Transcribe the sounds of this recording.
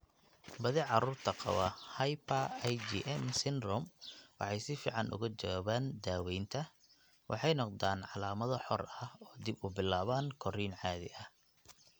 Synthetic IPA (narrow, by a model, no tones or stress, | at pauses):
bɐðɪʕɑɾuːrt̪ʰɐqɑ̰wɐhɐjpʰɐjd͡ʒiʔɛmsɪnrɔmwɑ̰ħɑjsɪfḭːʕɑnʔʊ̰ɣɐt͡ʃɐwaːβaːnd̪aːwɛjnt̪ʰɐ | wʔɑ̰ħɑjnɔqd̪aːnʕɑlaːmɐðɐħɔrɐhɔːd̪ɪbʊbɪlaːβaːŋkʰɔriːnʕɑːðɪ̰ʔɐh